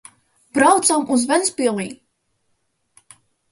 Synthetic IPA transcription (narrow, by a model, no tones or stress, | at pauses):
b̥ɾawt̪samuzvɛnspilˠniː